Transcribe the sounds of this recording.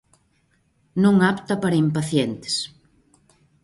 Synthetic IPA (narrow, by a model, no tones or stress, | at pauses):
nũŋapt̪ɐpaɾɐimpaθjent̪e̥s